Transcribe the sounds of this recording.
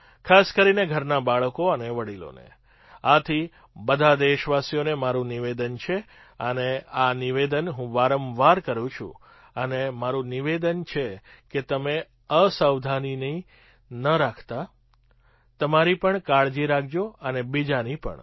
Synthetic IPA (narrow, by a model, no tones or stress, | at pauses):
kʰaskəɾineɡʱəɾnabaɭkoəneʋəɽilo̰nḛ | at̪ʰi | bəd̪ʱad̪eʃʋasijonemaɾũniʋed̪ənt͡ʃʰe | əneaniʋed̪ənɦũʋaɾəmʋaɾkəɾũt͡ʃʰṵ̃ | ənemaɾũniʋed̪ənt͡ʃʰeket̪əme | əsəwd̪ʱanini | nəɾakʰt̪a | t̪əmaɾipəɳkaɭd͡ʒiɾakʰd͡ʒoənebid͡ʒanipə̰ɳ